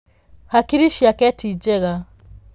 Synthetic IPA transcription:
hakiɾiʃiakɛtʰid͡ʒɛɣa

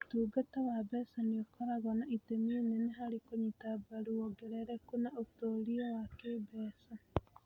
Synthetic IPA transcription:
tuːɡatawabɛsaniokʰɔɾaɣɔnaʔitemieneneɦaɾikoɲitabaɾuɔɡeɾɛɾɛkunaotoːɾiɔwakebɛːsa

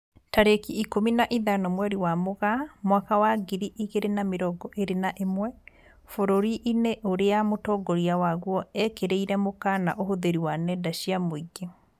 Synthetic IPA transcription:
taɾekiikominaʔiðanɔmwɛɾiwamoɣamwakawaɡiɾiʔiɣeɾenameɾɔɡɔʔeɾenaʔemwɛ | foɾoɾiʔineʔoɾeamotɔːɡɔɾiawaɣwɔɛkeɾeiɾɛmokana̰ʔohoðeɾiwanɛdaʃiamoiɡe

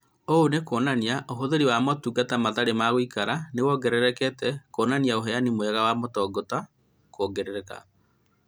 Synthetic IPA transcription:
oonekoːnaniaʔoɦoðeɾiwamɔtuːɡatamaðaɾemaɣoikaɾanewɔɡɛɾɛɾɛkɛtɛkoːnaniaoɦɛanimoɛɣawamotɔːɡɔta | koːɡeɾeɾɛka̰

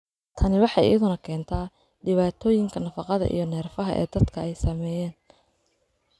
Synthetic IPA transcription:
t̪ʰɐnɪwɑħɑjɪ̰jɐðʊnɐkʰɛːnt̪ʰaː | ɖɪβaːt̪ʰɔːjɪŋkʰɐnɐfɑqɑðɐ̰ʔḭjɞnɛːrfɐɦɐ̰ʔɛ̰ːd̪ɐd̪kʰɐɛjsɐmɛːjɛːn

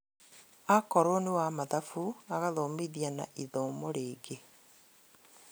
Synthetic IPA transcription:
akɔɾonewamaðafuaɣaðoːmiðiana̰ʔiðoːmoɾeːɡe

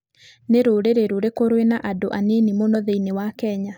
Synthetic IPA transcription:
neɾoɾeɾeɾoɾekoɾwenaʔadoʔanenimonɔðeinewakɛɲa

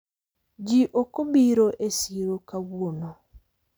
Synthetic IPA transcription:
d͡ʒiʔokobiɾoʔesiɾokaβwono

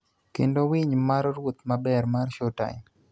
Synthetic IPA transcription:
kḛndowiɲmaɾɾwot̪mabɛɾmarʃota̰

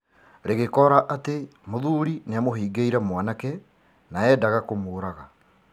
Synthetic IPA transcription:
ɾeɣekɔɾaʔatemoðuɾineamoɦiːɡeiɾamwanakɛ | naɛdaɣakomoːɾaɣa

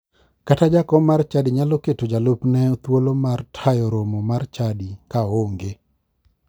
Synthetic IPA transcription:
katad͡ʒakɔmart͡ʃadiɲaloketod͡ʒalopnɛot̪wolomartʰajɔɾomɔmart͡ʃadikaoŋɡe

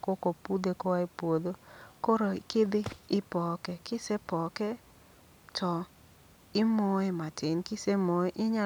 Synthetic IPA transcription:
kokopud̪ekɔaipwod̪okoɾokɪd̪ɪːpɔkɛkɪsɛpɔkɛ | tʰɔ | ɪmɔematɪnkɪsemoeʔɪɲa

